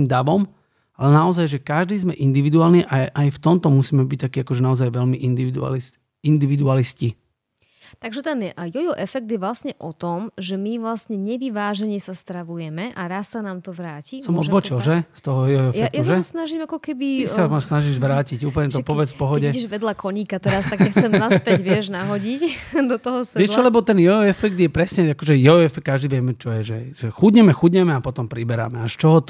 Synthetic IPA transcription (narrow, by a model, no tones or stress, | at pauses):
imd̪aʋɔm | alɛnaɔzajʒɛkaʒd̪iːzmɛʔind̪iʋid̪uaːlniʔaʔajft̪ɔmt̪ɔmusiːmɛbic̚t̪akiːakɔʒɛnaɔzajʋɛlmiʔind̪iʋid̪ṵlis | ind̪iʋid̪ualisci | t̪aɡʒɛt̪ɛnjɔjɔʔɛfɛk̚d̪jɛʋlasɲɛʔɔt̪ɔmʒɛmiʋlasɲɛɲɛʋiʋaːʒɛɲɛsast̪ɾaʋujɛmɛʔaɾassanaːmt̪ɔʋɾaːcisɔmɔd̪bɔt͡ʃilˠʒɛst̪ɔɦɔjɛɛfjaɛakjaʒaɛɔsnaʒimakɔkɛbiɛsasnaʒiʒʋɾaːcicuːp̬əl̩ɲɛt̪ɔpɔʋɛt͡sfpɔɦɔɟɛʒʋɛd̪lakʰɔɲiːkat̪ɛɾast̪aɡkaxt͡sɛmaspɛɟʋɪɛʒnaɦɔɟicd̪ɔt̪ɔɦɔsɛʋɪɛʃlt͡ʃɔlɛbɔt̪ɛnjɛɛfɛk̚t̪jɛpɾɛsɲɛakɔʒɛjɔɛfɛkkːaʒd̪iʋjɛmɛt͡ʃɔjɛʒɛʒ̥ɛxuɟɲɛmɛxuɟɲɛmɛapɔt̪ɔmpɾibɛɾa̰mɛaʃt͡ʃɔɦɔt̪